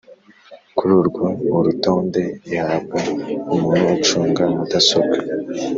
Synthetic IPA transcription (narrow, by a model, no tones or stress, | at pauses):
kuɾuɾɡoːɾuto̞ːnde̞ihaːbɡaumuːnuwat͡ʃuːŋɡamudasokḁ